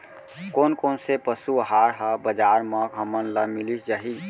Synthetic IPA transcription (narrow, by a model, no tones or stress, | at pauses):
konkoːnsepəsuɦaɾɦəbəd͡ʒaɾməkɦəmənləmilisd͡ʒaɦi